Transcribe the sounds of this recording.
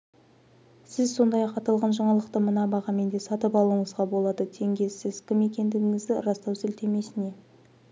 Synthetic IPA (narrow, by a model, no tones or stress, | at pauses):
sɪzso̞nd̪ɑjɑqɑt̪ɑlˠʁɑnʒɑɴɑlˠəqt̪əmənɑbɑʁɑme̞nd̪e̞sɑt̪əpɑlˠuəɴəzʁɑbo̞lˠɑd̪ət̪ʰe̞ŋɡʲe̞sɪz̥kʲʰɪme̞kʲe̞nd̪ɪɡʲɪŋɪzd̪ɪɾɑst̪ɑwzɪlt̪ʰe̞me̞sɪne̞